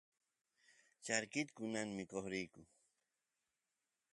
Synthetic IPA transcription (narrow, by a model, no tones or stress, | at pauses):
t͡ʃaɾkɪt̪kʊnaŋmɪkoχɾɪjkʊ